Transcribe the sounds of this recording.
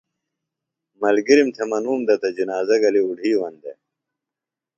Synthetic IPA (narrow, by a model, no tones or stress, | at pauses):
mɐlɡiɾimt̪ʰemɐnuːmd̪ɐt̪ɐd͡ʑinaːzɐɡɐliuɖʱiːwɐnd̪ḛ